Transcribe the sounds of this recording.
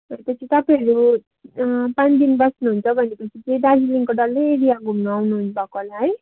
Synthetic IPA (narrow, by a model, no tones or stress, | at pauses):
ʌt̪ʌt͡sʰit̪ʌpãʌɾu | pãnd̪inbʌsnuɦunt͡sʰʌbʱʌnepʌt͡sʰit͡sẽjd̪ad͡ziliŋkoɖʌlːeeɽijaɡʱumnuawnuɦunbʱʌkolaɦʌj